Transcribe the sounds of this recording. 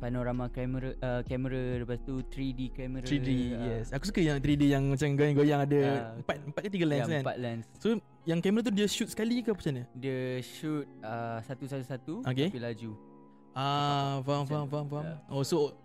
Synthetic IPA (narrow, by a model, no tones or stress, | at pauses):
panoɾamakɛməɾaʔəkɛməɾaɾəpast̪ut̪ɾidekɛməɾɾidejɛsakus̬u̥kəjaŋt̪ɾidejaŋmat͡ʃamɡojaŋɡojaŋadəəmpat̪̚əmpat̚kət̪̬iɡəlɛ̃nsanpa̰t̪̚lɛnsːo | jaŋkɛməɾat̪̬udiəʃut̪̚sə̥kalikapat͡ʃanədəʃut̪̚əsat̪usat̪usat̪uokepilad͡ʒu | ʔavamfamvamvaoso